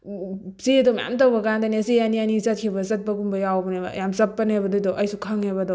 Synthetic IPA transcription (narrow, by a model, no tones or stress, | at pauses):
sidɔmja̰mtɐwbɐkandɐniɐsijanianisɐt̚kʰibɐsɐt̚pɐɡumbɐjawbɐnebɐ̰jamsɐpːɐnebɐdudɔʔɐjsukʰɐŋebɐdɔ